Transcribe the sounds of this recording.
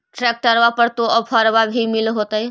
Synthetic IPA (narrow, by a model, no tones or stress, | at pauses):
ʈɾɛːk̚ʈəɾʋapəɾt̪oəpʰaɾʋabʱimɪlɦot̪aɛ